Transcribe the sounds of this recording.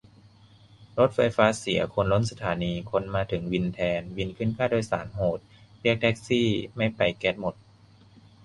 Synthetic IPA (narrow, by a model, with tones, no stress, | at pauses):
ɾo˦˥t̪̚fa˧jfaː˦˥si˨˩˦ɐkʰo˧nlo˦˥nsa˧t̪ʰaː˩˦niː˧kʰo˧nmaː˧t̪ʰɯ˩˦ŋwi˧nt̪ʰɛː˧nwi˧nkʰɯ˥˩ənkʰaː˥˩du˥˩jsa̰ː˩˦nɦoː˨˩t̪̚ɾi˥˩ək̚t̪ʰɛ˦˥k̚siː˥˩ma˥˩jpa˧jkɛ˦˥t̪̚mo˨˩t̪̚